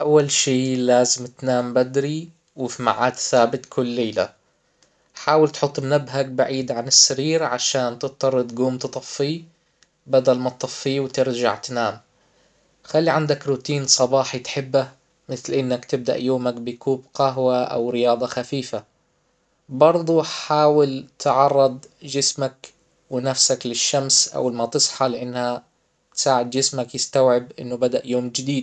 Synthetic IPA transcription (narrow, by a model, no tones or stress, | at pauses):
ʔawːalʃiːlaːzɪmt̪naːmbad̪ɾi | wɪfima̰ʕaːd̪θaːbɪt̪kʰʊlːeːla̰ | ħaːwɪlt̪ħʊt̪ˤːmnabɦak̚baʕiːd̪ʕanɪsːaɾiːɾʕaʃaːnt̪ɪt̪̚t̪ːɑrˤːɑd̪ɡuːmt̪ɨt̪ˤɑfːi | bad̪almat̪t̪ˤɑfːiːwt̪ɪɾd͡ʒa̰ʕt̪naːm | xalːiʕand̪akɾut̪iːnsˤɑbɑːħit̪ħɪbːa | mɪθlʔɪnːakt̪ɪb̚d̪a̰ʔjoːmakbɪkuːbqɑɦwaʔa̰wɾɪjɑːd̪ˤɑxafiːfa | bɑɾˤd̪ˤuħaːwɪlt̪ʕɑrˤːɑd̪̚ˤd͡ʒɪsmak | wɪnafsaklɪʃːamsʔa̰wlmat̪ɨsˤħɑlɪʔanːha | t̪saːʕɪd̪̚d͡ʒɪsmakjɪst̪awʕɪbʔɪnːʊbad̪aʔjoːmd͡ʒɪd̪iːd̪̚